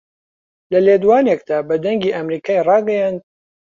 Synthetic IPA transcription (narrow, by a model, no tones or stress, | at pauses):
lɐled̪uwaːnek̚d̪aːbɐd̪ɐŋɡiːʔamɾiːkʰaːjrɑːɡɐjand̪̚